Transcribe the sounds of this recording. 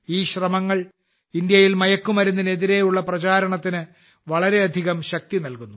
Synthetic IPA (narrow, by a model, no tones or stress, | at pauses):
iːɕrɐmɐŋːɐɭ | ind̪jɐjilmɐjɐkːumɐɾunːineðiɾe̞juɭːɐprɐt͡ɕaːɾɐɳɐt̪ːinɨ | ʋɐɭɐɾe̞ɐd̪ʱiɣɐmɕɐk̚t̪inɐlkunːu